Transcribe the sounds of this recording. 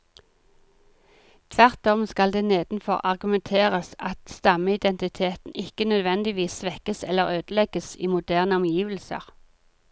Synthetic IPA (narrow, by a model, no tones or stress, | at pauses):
t̪ʰʋæʁt̪ɔmskɑld̪eːneːd̪̥n̩fɔ̰ʁɑ̰ʁɡʉmɛnt̪ʰeːʁəsɑt̪st̪ɑməɪd̪ɛnt̪ɪt̪ʰeːt̪n̩ʔɪkənœd̪ʋɛnd̪ɪʋiːsʋɛkəsɛlːəʁøːd̪̥əlɛɡ̥əsḭːmʊd̪æːʁnəɔmjiːʋlsə̰ʁ